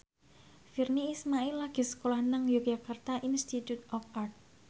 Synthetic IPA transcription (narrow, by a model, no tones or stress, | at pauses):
firniːsmailːaɡ̥e̤sə̥kolahnəŋjo̥ʒ̥akart̪aʔinst̪it̪jut̪̚ɔfart̪̚